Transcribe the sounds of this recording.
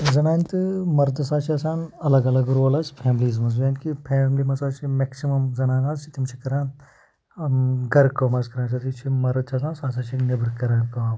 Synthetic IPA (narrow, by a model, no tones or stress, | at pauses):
zɐnaːnʲt̪ɨmɐɾd̪ɨsaːt͡ʃʰiɐsaːnɐlɐɡɐlɐɡuɾoːlaːspʰɛːmliːzmɐzʋaːnkipʰeːmlimɐsaːt͡ʃʰimeksimɐmzɐnaːnaːzt͡ʃʰit̪imt͡ʃʰikɐɾãːn | ɡɐɾkɐmɐzkɐɾãːt͡ʃʰɐt̪ʰit͡ʃʰimɐɾɐd̪̚t͡ʃʰaːs̬aːnsaːsaːt͡ʃʰiknɐbɾkɐɾaːnkɐʋaː